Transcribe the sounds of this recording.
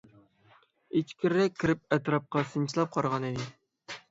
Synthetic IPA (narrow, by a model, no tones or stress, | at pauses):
et͡ʃkʲʰiɾɾɛk̚ʲʰːiɾɪp̚ɛt̪ɾɑp̚qɑsɨnt͡ʃʰilˠɑp̚qʰɑɾʁɑnɪd̪ɪ